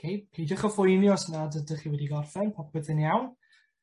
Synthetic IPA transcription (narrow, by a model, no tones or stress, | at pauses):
kʰejpʰejdɔχəfʊjnjɔsnadədəχiːwɛdiɡɔrfɛnpʰap̚b̥əðənjawn